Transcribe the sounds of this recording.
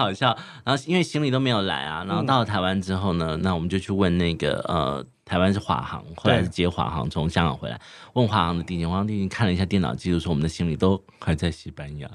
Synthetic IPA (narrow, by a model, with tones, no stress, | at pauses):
ɑ˨˩ʊɕjɑ˥˩ʊna˧˥nxo˥˧i˥nwe˥˩ɪɕi˥ŋli˨t̪o˥me˧˥ɪjo˨˩la̰˧˥ɪɐ̰˨na˧˥nxo˥˧ʊt̪ɑ˥˩lə˩t̪ʰa˧˥ɪwa˦nʈ͡ʂɻ̩˥xo˥˩ʊnə˩na˥˩wɔ˨˩mə˦nt͡ɕjo˥˧ʊt͡ɕʰy˥˧wə˥˧nna˥˩ɪɡə̰˩ə̰˧ | t̪ʰa˧˥ɪwa˥nʂɻ̩˥˩xwa̰˧˥xɑ̰˧˥ŋxo˥ʊla˧˥ɪʂɻ̩˥˩t͡ɕjɛ˧˥˩xwa̰˨˥xɑ̰˧˥ŋt͡sʰʊ˧˦˥ŋɕjɑ˥ŋɡɑ̰˨˩ŋxwe˧˥ɪla̰˧˥ɪwə˥˩nxwa˧˥xɑ˧˥ŋd̪ə˧i˥˩t͡ɕi˥˩nxwɑ˧˥˧t̪i˥˧t͡ɕi˥˧ŋkʰa˥˩nlə˩i˧ɕja˥˧t̪jɛ˥˩nɑ̰˨˩ʊt͡ɕi˥˩˥ʂwwɔ˨˩ə˦nd̪ə˧ɕi˥ŋli˨˩t̪o˥ʊ | xa˨˧˥ɪt͡sa˥˩ɪɕi˧˥˩pa˥ni˧˥j̰